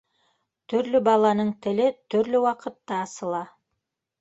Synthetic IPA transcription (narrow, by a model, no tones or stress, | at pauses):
t̪ʰɵ̆ɾlʏbɑlˠɑnɤɴt̪ɘ̆lɘt̪ʰɵ̆ɾlɘwɑqɤ̆t̪ːɑːsɤ̆lˠɑ